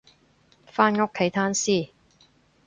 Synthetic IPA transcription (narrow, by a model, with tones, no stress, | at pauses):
faː˥nŋʊ˥kʰːe˨˧˥jt̪ʰaː˥nsiː˥˩